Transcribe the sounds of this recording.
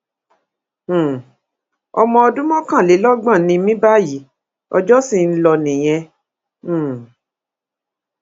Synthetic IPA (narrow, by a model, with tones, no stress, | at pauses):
ɔ̰˧mɔ̃˧ɔ˧dũ˦mɔ̃˦kã˦˨le˨˦lɔ˦ɡ͡bã˦˨nĩ˧mĩ˦ba˦ji˨˦ | ɔ̰˧d͡ʒɔ˦si˦˨n̩˦lɔ˧nĩ˨j̃ɛ̃˧˨